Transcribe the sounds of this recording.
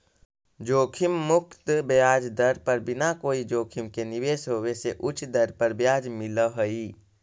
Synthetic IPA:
d͡ʒoːkʰɪmːʊkt̪bjaːd͡ʒd̪əɾpəɾbɪnakoːid͡ʒoːkʰɪmkenɪʋeːsɦoweseʔʊt͡ʃʰd̪ɐɾpəɾbjaːd͡ʒmɪləɦəiː

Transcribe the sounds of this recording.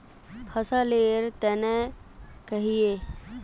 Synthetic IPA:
pʰəsaleːɾt̪ɛːnekəɦijeː

